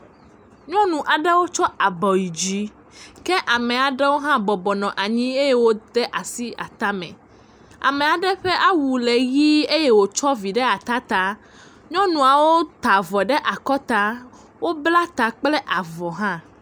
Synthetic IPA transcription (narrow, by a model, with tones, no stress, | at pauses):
ɲɔ̃˦nũ˨ʔa˨ɖɛ˦wo˦t͡ʃɔ˦a˨bɔ˨ji˨d͡ʑi˦ | kɛ˦ʔa˨mɛ̃˨a˨ɖɛ˦wo˦ɦã˦bɔ˨bɔ˨nɔ̃˨ʔa˨ɲĩ˦e˦je˦wo˦d̪ɛ˦ʔa˨si˦a̰˨t̪a˦mɛ̰̃˨ | a̰˨mɛ̃˨a˨ɖɛ˦ɸɛ˦ʔa˦wu˨le˨ɣi˦e˦jɛ˦wo˨t͡ʃɔ˦vi˨ɖɛ˦a˨t̪a˦t̪a˦ | ɲɔ̃˦nũ˨a˨wo˦t̪a˨vɔ˨ɖɛ˦ʔa˨kɔ˦t̪a˦ | wo˦bla˦t̪a˨k͡plɛ˦ʔa˨vɔ˨ɦã˦